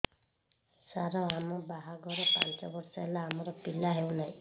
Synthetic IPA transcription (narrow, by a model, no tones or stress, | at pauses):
saɾɔɦamɔbaɦaɡɔɾɔpa̰nt͡ʃɔbɔɾsaelaɦːmɔɾɔpilaɦewnaj̃